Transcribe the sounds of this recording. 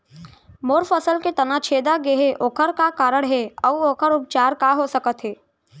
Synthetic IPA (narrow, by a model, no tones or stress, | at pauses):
moːɾfəsəlket̪ɐnat͡ʃʰeːd̪aɡeɦeʔoːkʰəɾkakaːɾəɽ̃ɦɛɔʋoːkʰəɾʊp̚t͡ʃaːɾkaɦosəkət̪ɦɛː